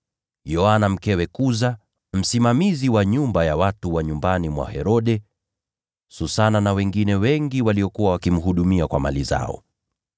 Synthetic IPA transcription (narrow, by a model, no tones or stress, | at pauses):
jɔanam̩kɛwɛkuza | m̩simamiziwaɲumbajawatuwaɲumbanimwa̰hɛɾɔɗɛ | susananawɛŋɡinɛwɛŋɡiwaliɔkuwawakim̩ɦuɗumiakwa̰ma̰liza̰ɔ̰